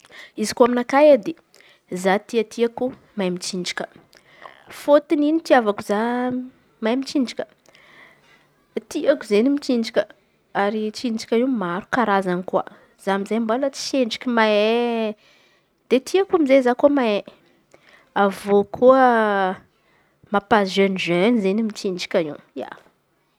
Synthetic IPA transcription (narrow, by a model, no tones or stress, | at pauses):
izikuaminakajad̪e | zat̪iət̪iaku | majmit͡ʃiɳɖ͡ʐi̥kʲə̥ | fot̪ininit̪iavakuza | majmit͡ʃiɳɖ͡ʐikʲə̥ | t̪iakuzenimit͡ʃiɳɖ͡ʐikʲə | aɾit͡ʃiɳɖ͡ʐikʲəiwmaɾukaɾazankua̰ | z̥amizajmbalat͡si̥seɳɖ͡ʐikʲimae | d̪̥et̪ʰiakumizezakomae | avokʰuə | mapazenizønizenimit͡ʃiɳɖ͡ʐi̥kʲaḭwja̰